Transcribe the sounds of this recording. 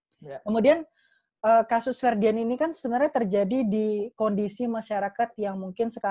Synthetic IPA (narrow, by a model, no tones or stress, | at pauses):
kəmudian | ʔəːkasʊsfɛrdiɛninikansəbənarɲat̪ərd͡ʒadidikondisimaʃaɾakat̪̚jaŋmuŋkɪnsəka